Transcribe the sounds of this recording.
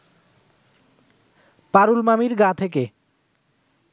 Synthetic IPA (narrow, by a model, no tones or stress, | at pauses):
paɾulmamiɾɡat̪ʰek̬e